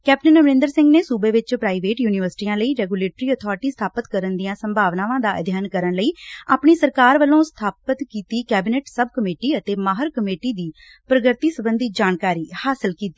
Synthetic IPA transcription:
kɛːp̚ʈənəʋɾɪ̃nd̪əɾsɪ̃ŋɡneːsuːbeːʋɪt͡ʃpɾaːiʋeːʈjuːnɪʋəɾsɪ̥ʈiːãːləiːɾɛːɡuːleːʈɾiːət̪ʰɔːɾʈiːst̪ʰaːpət̪kəɾənd̪ijãːsəmbʱaːʋnãːʋãːd̪aːd̪ʱjaːnkəɾəɳləiːa̰ːpɳiːsəɾkaːɾʋəlːõːst̪ʰaːpət̪kiːt̪iːkɛːbineːʈsəbkəmeːʈiːət̪eːmaːɦəɾkəmeːʈiːd̪iː | pɾəɡəɾt̪iːsəbənd̪iːd͡ʒaːnkaːɾiːhaːsəlkiːt̪iː

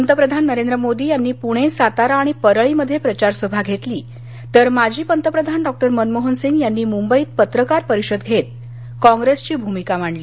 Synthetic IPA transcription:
pənt̪əpɾəd̪ʱanːəɾend̪ɾəmod̪iːjanːiːpuɽ̃ẽsat̪aɾaɽ̃ipəɾəɭiməd̪ʱːjepɾət͡ɕaɾsəbʱaɡʱet̪liː | t̪əɾmad͡ʑʱiːpənt̪əpɾəd̪ʱanɖɔk̚ʈəɾmənmoɦənsiŋɡjanːiːmumbəiːt̪̚pət̪ɾəkaɾpəɾiɕəd̪ɡʱet̪̚ | kɔ̃ŋɡɾest͡ɕiːbʱumikam̤aɳliː

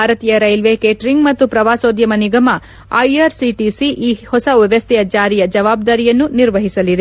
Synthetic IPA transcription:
aːɾɐt̪ijɐɾɐjlʋekeːʈɾiŋɡmɐt̪ːupɾɐʋaːsoːd̪jɐmɐniɡɐmɐ | ɐ̰jɐɾsiʈisiʔiːhɔsɐʋɐʋɐst̪ʰɛjɐd͡ʒaːɾijɐd͡ʒɐʋaːb̚d̪aːɾijɐnːuniɾʋɐɦisɐlid̪e

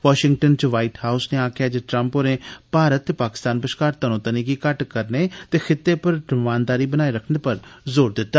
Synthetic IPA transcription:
ʋaːʃɪŋɡ̚ʈənt͡ʃʋaːɪʈhaːʊsneːaːkʰɪjaːd͡ʒeʈɾə̃mpoːɾẽːpaːɾət̪ːeːpaːkɪ̥st̪aːnpəʃkaːɾt̪ənõːt̪əniːɡiːkəʈkəɾneːt̪eːxʰɪt̪ːeːpəɾɖəʋãːnd̪aːɾiːbənaːeɾəkʰneːpəɾzoːɾd̪ɪt̪ːaː

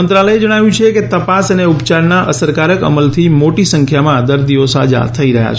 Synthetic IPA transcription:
ənt̪ɾaləjed͡ʒəɽ̃aʋjũt͡ʃʰeket̪əpasəneupt͡ʃaɾnaʔəsəɾkaɾəkə̰məlt̪ʰimoʈisəŋkʰjamãd̪əɾd̪iʋosa̰d͡ʒa̰t̪ʰəiɾəɦja̰t͡ʃʰ

